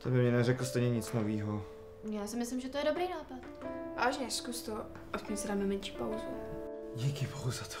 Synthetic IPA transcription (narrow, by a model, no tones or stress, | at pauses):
t̪ʰɛbɪmɲɛnɛrɛkl̩st̪ɛjɲɛɲɪt͡snoviːɦo | jaːsɪmɪslɪmʒɛt̪ojɛdobɾiːnaːpat̪va̰ːʒɲɛɛskust̪o | ʔafcɛmsɛdaːmɛmɛnʃi̥ːpawzuɟikɪboɦuzat̪o̥